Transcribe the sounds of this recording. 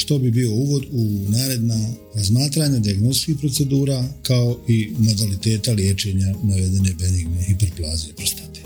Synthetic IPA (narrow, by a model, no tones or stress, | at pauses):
ʃt̪obibio̞uːɡo̞d̪unaːɾe̞d̪na | ɾazmaːt̪ɾaɲad̪iaɡnost̪skiːhpɾo̞t̪se̞d̪uːɾakao̞ʔimo̞d̪alit̪e̞ːt̪alje̞ːt͡ʃe̞ɲanaʋe̞d̪e̞ne̞beniɡmehipeɾplˠaːzeipɾost̪ḁt̪e̥